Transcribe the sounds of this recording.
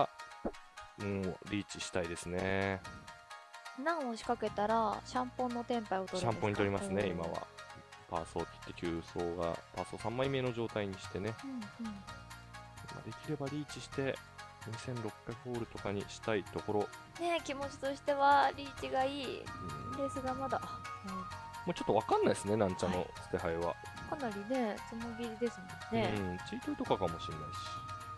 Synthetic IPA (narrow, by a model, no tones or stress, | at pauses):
ɾʲiːt͡ɕiɕi̥t̪aid̪e̞sɨne̞ | nãɰ̃oɕi̥kake̞t̪aɾaɕãmpõ̞nːo̞t̪ẽ̞mpaio̞t̪oɕãmpõ̞ɲːit̪o̞ɾʲimasɨne̞ima̰βa̰ | pa̰ːso̞ːt̪ʲi̥t̪ːe̞kʲɯːso̞ːɡa̰paːso̞sãmːaime̞no̞ʑo̞ːt̪aiɲ̟iɕi̥t̪e̞ne̞ɯ̟̃ɯ̟̃ɴ | ima̰d̪e̞kʲiɾe̞baɾʲiːt͡ɕiɕi̥t̪e̞ | ɲisẽ̞nɾo̞kːaiɸo̞ːɾɯ̟t̪o̞kaɲ̟ḭɕi̥t̪ait̪o̞ko̞ɾo̞ | ne̞kʲimo̞t͡ɕi̥t̪o̞ɕi̥t̪e̞βaɾʲiːt͡ɕiɡaiːɯ̰̃ɾe̞ːsɨɡamad̪aɯ̃moːt͡ɕo̞t̪ːoβakãnːaisɨne̞nãɲt͡ɕano̞̰sɨ̥t̪e̞ɦaiβa̰ | kanaɾʲine̞t͡sɨnobʲid̪e̞sɨmõnne̞t͡sɨit̪oi̥t̪o̞kakamo̞ɕinːa̰iɕi̥i̥